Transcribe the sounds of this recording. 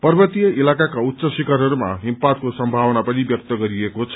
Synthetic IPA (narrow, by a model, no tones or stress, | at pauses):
pʌrbʌt̪ijʌʔilakakaut̪ːsʌsikarɦʌɾumaɦimpad̪̚kosʌmbʱawʌnapʌnibjʌk̚t̪ʌɡʌɾiekot͡sʰ